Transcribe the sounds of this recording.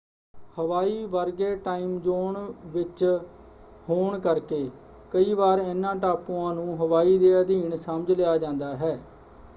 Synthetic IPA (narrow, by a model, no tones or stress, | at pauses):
həʋaːiːʋəɾɡeːʈaːiːmd͡ʒoːɳʋɪt͡ʃ | hoːɳkəɾkeː | kəiːʋaːɾenːãːʈaːpũːãːnũːɦəʋaːiːd̪eːəd̪ʱiːɳsəməd͡ʒlejaːd͡ʒãːnd̪aːɦɛː